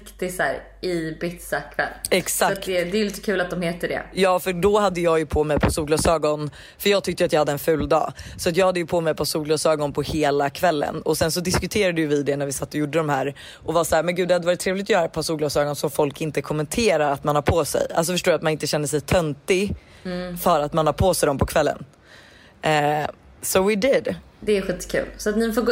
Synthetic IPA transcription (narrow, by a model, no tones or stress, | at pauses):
kd̪ɛsæːɾ | ɪbɪt̪sakʰvɛ̰lːɛksakat̪̚t̪ɛd̪ɛliːt̪ə̥kʰʉ̟ːlat̪̚d̪ɔmheːt̪əɖɛ̰jɑːfœɖɔhad̪ːəjɑːjɵpʰɔmɛjpʰɔsuːɡlɑːsøːɡɔn | fœɾjɑːɡ̚t̪ʏkt̪jʏat̪jɑːhad̪ːəɛnfʉ̟ːld̪ɑ̰ːsɔat̪̬jɑːɡhad̪ːəjɵpʰɔmɛjpʰɔsuːɡlɑːsœːɡɔnpʰɔheːlakʰvɛlːə̰nɔsɛnsɔd̪ɪskʉɵt̪ʰeːɾad̪əjʉvɪd̪ɛnæɾvɪsat̪ːɔjʊɖːəd̪ɔmhæːɾ | ʔɔvɑsaæːɾmɛnɡʉ̟ːd̪ɛhad̪əvɑɾɪt̪ʰːɾeːvlɪt̪ɔjœːɾaɛt̚pʰasuːɡlɑːsœːɡɔnsɔmfɔlkɪnt̪əkʰɔmːɛnt̪ʰeːɾaɾat̪manhɑɾpʰoːsɛ̰ja̰ls̬ɔfœʂʈoːɾjat̪manɪnt̪əɕɛnd̪əs̬ɛjt̪ʰœnt̪ɪɡ | fœɾat̪manhɑɾpʰoːsɛjd̪ɔmpʰɔkʰvɛlːə̰n | sɔwɪd̪ɪd̪ | d̪ɛːɧiːt̪ːkʰʉ̰ːlsɔat̪nɪfoːɡ